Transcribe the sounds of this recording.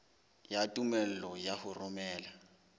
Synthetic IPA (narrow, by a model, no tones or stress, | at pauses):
jatʼumɛl̩lɔjahʊrʊmɛːla